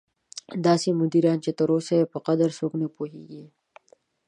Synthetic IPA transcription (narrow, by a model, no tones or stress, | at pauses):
d̪aːsimʊd̪iːɾɑːnt͡ʃet̪ɐɾoːseepɐqɐd̪əɾsoknepoːɦḭɡiː